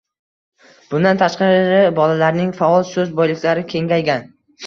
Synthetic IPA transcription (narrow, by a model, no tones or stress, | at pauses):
b̥ʊnd̪ant̪ʰaʃqɑɾɾɾɪbɒlalaɾnɪŋfaɒlˠsɵzbɒjlɪkʲlaɾɪkʲʰe̞ŋɡʲajɡʲan